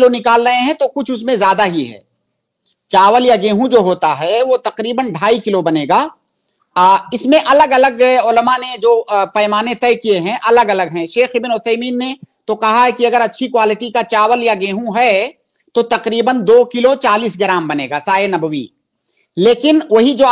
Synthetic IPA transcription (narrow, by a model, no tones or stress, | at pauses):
lonɪkaːlɾɐẽɦɛ̃t̪okʊt͡ʃʰʊsmẽzjaːd̪aɦiɦɛ̰ː | t͡ʃaːʋəljaɡẽːɦũd͡ʒoːɦoːt̪aɦɛʋot̪ɐqɾiːbənɖʱaːikɪlobɐneːɡaː | ɪsmẽʔɐləɡɐləɡʊləmaned͡ʒoːpɐːɪmaːnet̪ɛːkieɦɛ̃ʔɐləɡɐləɡɦɛ̃ʃeːxɪbnʊt̪ʰɛːmiːnːet̪okɐɦaɦɛkiɐɡəɾɐtːʃʰikwaːlɪʈikat͡ʃaːʋəljaɡẽːɦũɦɛ | t̪ot̪ɐqɾiːbənd̪oːkɪlot͡ʃaːliːs̬ɡɪɾaːmbɐneːɡaːsaːenɐbəʋḭ | leːkɪnʋɐɦid͡ʒoː